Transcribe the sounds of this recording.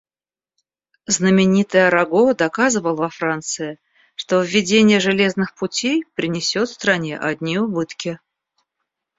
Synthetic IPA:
znəmʲɪnʲit̪ɨjəɾɐɡod̪ɐkazɨvəlˠvɐfɾant̪sɨɪ | ʂt̪o̞vʲːɪdʲenʲɪjəʐɨlʲe̞znɨxpʊtʲejpɾʲɪnʲɪsʲo̞t̪fst̪ɾɐnʲe̞̰ʔɐd̪ʲnʲiʊbɨt̪kʲɪ

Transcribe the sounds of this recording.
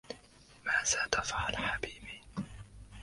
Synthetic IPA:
maːðad̪afʕalħabiːbi

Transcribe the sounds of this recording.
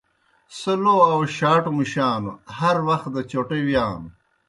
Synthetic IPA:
sɐloːɐwʃaːʈumiʃaːnṵhɐɾwɐxt̪d̪ɐt͡ɕoːʈewjaːnu

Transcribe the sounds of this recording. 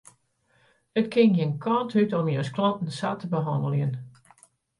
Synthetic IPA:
ətkʰɪŋjənkʰɔnthytɔmjəwsklɔntn̩satʰəbəɦɔndəlˠjən

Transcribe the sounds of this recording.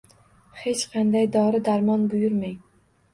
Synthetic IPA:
he̞t͡ʃqʰɑnd̪ajd̪ɒɾɪd̪aɾmɒnbʊjʊɾmaŋ

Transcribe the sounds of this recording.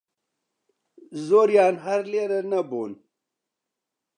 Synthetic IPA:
zoːɾjaːnɦɐɾleːɾɐnɐbuːn

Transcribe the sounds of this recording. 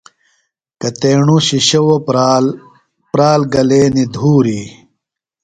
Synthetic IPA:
kɐt̪eːɳuɕiɕɐwo | pɾaːlɡɐleːnid̪ʱuːɾi

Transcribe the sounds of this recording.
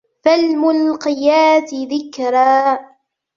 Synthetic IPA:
falmʊlqɪjaːsɪðɪkɾˤaː

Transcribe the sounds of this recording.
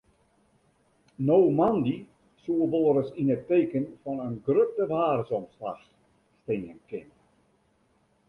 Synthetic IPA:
nowmandi | suəʋoːɾəsinətːeːkənfɔnənɡrøp̚dəʋaːrəsɔmsla̰x | steːənkɪn

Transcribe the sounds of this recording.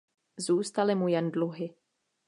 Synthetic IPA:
zuːst̪alɪmujɛndluɦɪ

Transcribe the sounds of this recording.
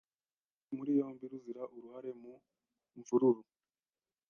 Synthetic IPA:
muɾijo̞ːmbiɾuziɾaʔuɾuhaɾe̞mu | ɱvuɾuɾu

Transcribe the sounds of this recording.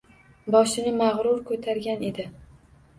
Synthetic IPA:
bɒʃɪnɪmaʁɾʊɾkʰɵt̪ʰaɾɡʲane̞d̪ɪ

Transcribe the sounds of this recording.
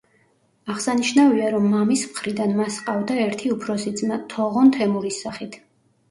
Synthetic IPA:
aʁsaniʃnaviaɾɔmːamismχɾid̪anmasqʼavd̪aɛɾt̪ʰiupʰɾɔsid̪zmat̪ʰɔʁɔnt̪ʰɛmuɾisaχit̪ʰ

